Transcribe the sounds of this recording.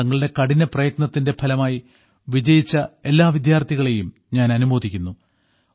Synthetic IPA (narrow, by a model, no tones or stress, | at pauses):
ɐŋːɐɭɨɽe̞kɐɽinɐprɐjɐt̪nɐt̪ːinde̞pʰɐlɐmaːji | ʋid͡ʑɐjit͡ɕːɐe̞lːaːʋid̪jaːrt̪ʰiɣɐɭe̞jum | ɲaːnɐnumoːd̪ikʲːunːu